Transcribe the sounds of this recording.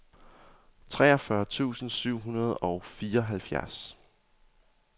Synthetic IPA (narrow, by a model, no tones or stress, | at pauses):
t͡sʰʁɛ̰ːɒfɶɐt͡sʰṵːsn̩syʊ̰ɦunɐð̞̩ˠɒ̽ʊfiːɐɒɦælfjæɐs